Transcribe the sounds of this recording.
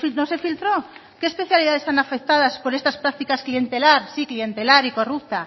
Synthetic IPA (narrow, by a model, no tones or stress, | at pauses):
nose̞filt̪ɾo | keːspe̞θjaliðaðe̞st̪anafe̞k̚t̪aðaspo̞ɾe̞st̪aspɾak̚t̪ikasklie̞nt̪e̞laɾsiklie̞nt̪e̞laɾiko̞rup̚t̪a